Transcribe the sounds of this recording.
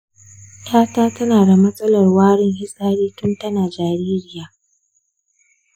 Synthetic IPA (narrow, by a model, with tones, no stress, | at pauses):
tʰaː˦taː˦tɐ˦naː˨da˨mɐ˦sʼɐ˦lɐ˨rwaː˦ɽɪ˦ŋhɪ˦sʼaː˦ɽiː˦tʊ˦ntɐ˦naː˨d͡ʒaː˨ɾiː˦ɾɪ˦jaː˨